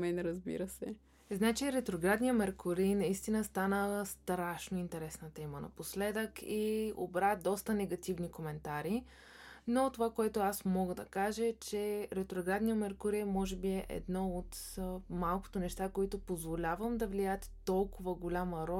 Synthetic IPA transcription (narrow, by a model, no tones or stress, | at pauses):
mɛnɾɐzbḭɾəsɛ̰ | znat͡ʃiɾɛt̪ɾoɡɾad̪nijəmɛɾkʊɾinɐist̪inəst̪anəst̪ɾaʃnoint̪ɛɾɛsnət̪ɛmənɐ̰poslɛd̪əkʰio̰bɾad̪ɔst̪ənɛɡɐt̪ivnikomɛnt̪aɾi | not̪ovakoɛt̪ʊasmɔɡəd̪ɐ̰kaʒət͡ʃɛɾɛt̪ɾoɡɾad̪nijəmɛɾkʊɾiəmɔʒɛbiɛʔɛ̰d̪nɔot̪malˠko̥t̪onɛʃt̪akoit̪ʊpozvolʲavəmd̪ɐvliaət̪ːɔlˠkʊvəɡolʲaməɾɔ